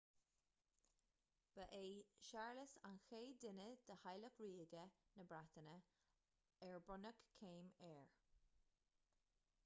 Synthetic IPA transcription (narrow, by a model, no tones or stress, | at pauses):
b̥əʔeːʃaɹləsa̰nxeːd̪ɪnəd̪̥əhajləkɹiːɡənəbɹat̪ənə | ɛɹbʊnəkkʰeːmɛːɹ